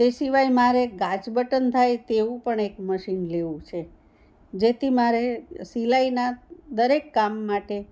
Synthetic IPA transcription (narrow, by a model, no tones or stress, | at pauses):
d͡ʒesiʋajmaɾeɡad͡ʒbəʈənt̪ʰajt̪eʋũpəɳekməʃinleʋũt͡ʃʰe | d͡ʒet̪ʰimaɾesilainad̪əɾekːamːaʈe